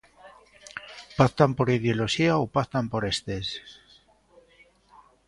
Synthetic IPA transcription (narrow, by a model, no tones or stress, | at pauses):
paθt̪ampoɾiðjo̞loʃiaopaθt̪ampo̞ɾe̞st̪es